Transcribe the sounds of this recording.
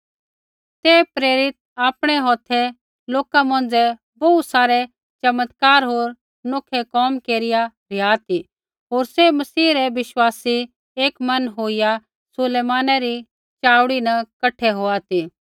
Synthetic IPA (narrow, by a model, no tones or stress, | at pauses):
t̪ɛpɾeːɾɪt̪̚ | aːpɽ̃ɛɦɔːt̪ʰɛ | loːkamɐ̃n̆d͡zɛ | boːut̪saːɾɛ | t͡ʃɐmət̪kaːɾɦoːɾ | noːkʰɛkɔːmkeːɾɪja | ɾɪjaːt̪i | ɦoːɾsemɐsiːɾɛʋɪʃwaːsi | eːkmɐnɦoːija | sʊleːmaːnaɾi | t͡ʃaːʊɽinɐkɐʈʰːɛɦoːat̪iː